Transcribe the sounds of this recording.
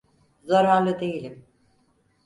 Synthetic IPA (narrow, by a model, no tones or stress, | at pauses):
zaɾaːlˠɯd̪ejilʲim